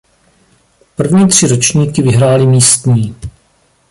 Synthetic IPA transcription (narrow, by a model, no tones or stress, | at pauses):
pr̩vɲiːt̪r̝̥ɪɾo̞t͡ʃɲiːkɪvɪɦɾaːlɪmiːst̪ɲiː